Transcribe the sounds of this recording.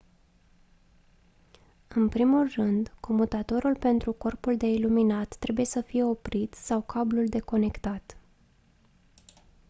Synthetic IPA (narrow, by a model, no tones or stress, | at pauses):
ɨnpɾimulrɨnd̪ko̞mut̪at̪o̞ɾulpe̞nt̪ɾuko̞rpuld̪e̞iluminat̪ːɾe̞buje̞səfije̞o̞pɾit̪sawkʰabluld̪e̞ko̞ne̞kt̪at̪